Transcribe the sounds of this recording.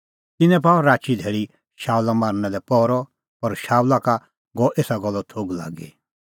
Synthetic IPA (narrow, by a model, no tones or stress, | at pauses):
t̪ɪnɛ̃p̬aːɔɾaːt͡ʃid̪ʱeːɭi | ʃaːwlamaːɾnɛlɛpɔːɾɔ | ɔɾʃaːwlaka | ɡɔʔeːsaɡɔlːɔt̪ʰoːɡla̰ːɡḛ